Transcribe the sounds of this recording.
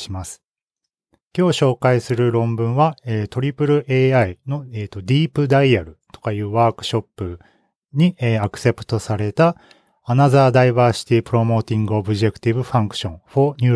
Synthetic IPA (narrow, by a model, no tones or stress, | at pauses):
imasɨ̥ | kʲo̞ːɕo̞ːkaisɨɾɯ̟ɾõ̞mbɯ̟̃ɰ̃βaeːt̪o̞ɾʲipɯ̟ɾɯ̟ʔeːaino̞eːt̪o̞d̪ʲiːpɯ̟d̪aiaɾɯ̟t̪o̞̥kajɯ̟ːβaːkɯ̟̥ɕo̞pːɯ̟ | ɲ̟ieakɯ̟̥se̞pɯ̟̥t̪o̞saɾe̞t̪aː | nazaːd̪aiβaːɕi̥t̪ʲipɯ̟ɾo̞mo̞ːt̪ʲĩŋɡɯ̟obɯ̟ʑe̞kɯ̥t̪ʲibɯ̟ɸãŋkɯ̟̥ɕõ̞ɴ̃ɸoɲ̟ɯ̟ː